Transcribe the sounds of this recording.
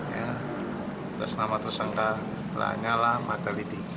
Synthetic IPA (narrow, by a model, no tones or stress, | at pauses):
ja | t̪asnamat̪ərsaŋka | la̰ɲalahmat̪alit̪i